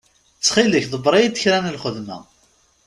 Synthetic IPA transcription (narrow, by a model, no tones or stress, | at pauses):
t͡sːχiləçðˤəbɾˤɑjid̪əçɾænəlχəðmæ̰